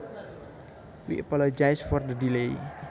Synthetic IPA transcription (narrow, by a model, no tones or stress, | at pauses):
wḭʔəpɔlod͡ʒajsfɔrd̪ədilej